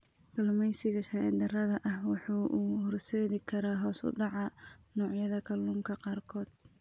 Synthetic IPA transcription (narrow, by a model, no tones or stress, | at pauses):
kʰɐlʊmɛjsɪɣɐʃɐɛ̰nd̪ɐrɐðɐʔɐhwɑħuːʔuːhɔrsɛːðɪkʰɐɾaːɦɔːsʊ̰ɖɑʕɑnɔːʕjɐðɐkʰɐlːuːmkʰɐqɑːrkʰɔːd̪